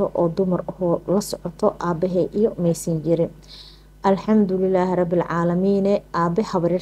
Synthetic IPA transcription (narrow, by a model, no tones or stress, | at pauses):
ɔʔɔːd̪ʊmɐrɐhlɐsɔʕɔt̪ʰɔʔaːbɛɦɛjʔijɔmɛjsɐnt͡ʃɪɾɪn | ʔɐlħɑmd̪ʊlɪlːaːhrˤɑbːɪlʕɑːlɐmiːnɛʔaːbɛħɑβɐɾiːr